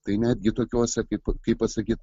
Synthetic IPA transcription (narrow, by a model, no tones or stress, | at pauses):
t̪ɐɪnʲæːd̪ʲɡʲɪt̪oːkʲoːsʲɛkɐɪpkɐɪppɐsɐkʲiːt̪